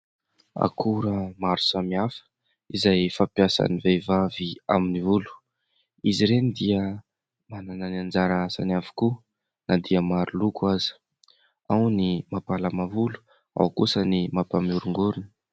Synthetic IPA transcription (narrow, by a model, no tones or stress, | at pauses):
a̰kʰuɾəmaɾusamiafə̥ | izajfapjasa̰nivejvavia̰minivulu̥ | iziɾenid̪iə | manananand͡ʒaɾaasanavu̥ku | nad̪iəmaɾulukaz̥i̥ | awnimapalamavulu̥ | a̰wkusənimapamuɾuŋɡuɾuni̥